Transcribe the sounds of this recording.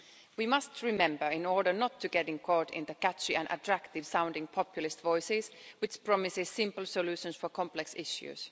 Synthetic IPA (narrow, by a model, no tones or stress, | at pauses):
wimʌstʰɹɪmɛ̃mbə˞ɪ̃nɔɹɾə˞nətʰːɨɡɛɾɪ̃nkʰɔɹɾɪ̰̃nðəkæt͡ʃiɨ̃nʔə̰tʰɹ̥ækt̪ɪv̥sãʊ̃ndɪ̃ŋpʰɑpjl̩ˠɪstvɔɪsɪzwɪt͡ʃpɹ̥ɔmɪsɪz̥sɪ̃mpl̩ˠsɔlʉʃə̃nsfə˞kʰɑ̃mplɛksɪ̰ʃjʉ̰z̥